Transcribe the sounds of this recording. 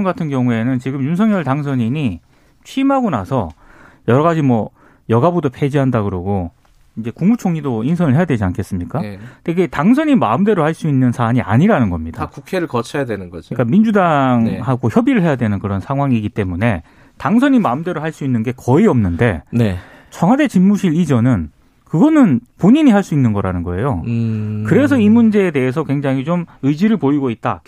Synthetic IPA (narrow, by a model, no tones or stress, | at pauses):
ŋɡatʰɯnkjʌŋue̞nɯnt͡ɕiɡɯmjunsʰʌŋjʌɭtaŋs̬ʰʌɲimi | t͡ɕʰiːmɦaɡona̰sʰʌjʌɾʌɣad͡ʑimwʌ | jʌɡabudopʰe̞d͡ʑiɦandaɡɯɾʌɡo | ind͡ʑe̞kuŋmut͡ɕʰoŋɲidoinsʰʌnɯɭɦe̞jadwe̞d͡ʑiankʰe̞s͈ɯmɲik͈aeiɡetaŋsʰʌɲinma̰ɯmde̞ɾohaɭs͈uinːɯnsʰaɲia̰ɲiɾanɯnɡʌmɲid̥akukʰe̞ɾɯɭkʌt͡ɕʰʌjadwenɯnɡʌd͡ʑok͈amind͡ʑudaŋhaɡoçjʌbiɾɯɭɦe̞jadwe̞nɯnkɯɾʌnsʰaŋɦwaŋiɡit͈e̞mune̞ | taŋsʰʌɲimaɯmde̞ɾoɦaɭs͈uinːɯnɡe̞kʌiʌmnɯnde̞ne | t͡ɕʰʌŋɦwade̞t͡ɕinːuɕʰiɭid͡ʑʌnɯn | kɯɡʌnɯnpoɲiɲiɦaɭs͈uinːɯnɡʌɾanɯnɡʌe̞jokɯɾe̞sʰʌimund͡ʑe̞ːde̞es̬ʰʌkwe̞ŋd͡ʑaŋɦit͡ɕomɯid͡ʑiɾɯɭpoiɡoit̚t͈a̰